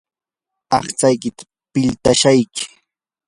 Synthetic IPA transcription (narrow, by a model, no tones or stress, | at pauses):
ɑχt͡sajkɪt̪ḁ | pɪʎt̪aʃajkɪ̥